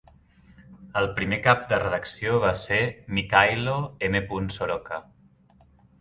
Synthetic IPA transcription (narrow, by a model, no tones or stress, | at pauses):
əlˠpɾimekap̚d̪ərəðəksioβ̞asemikajloemepunsoɾɔkə